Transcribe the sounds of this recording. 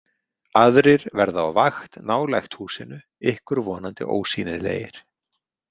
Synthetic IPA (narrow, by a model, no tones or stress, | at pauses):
aðɾɪɾ̥vɛɾðaa̰wvaxt̪naːwlajxt̪huːsɪnːʏ | ɪhkʏɾvɔːnant̪ɪ̰ʔo̰ːwsiːnɪɾlḛːjɪ̰ɾ̥